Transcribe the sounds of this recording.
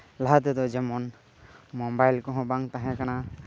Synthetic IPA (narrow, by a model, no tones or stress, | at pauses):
laɦat̪ɛd̪ɔd͡ʒɛmɔn | mɔmbajlkɔɦɔ̃baŋt̪aɦɛ̃kana